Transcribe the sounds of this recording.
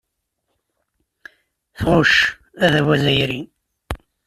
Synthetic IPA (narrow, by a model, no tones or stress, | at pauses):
θʁʊʃ | æðæwæzæjɾin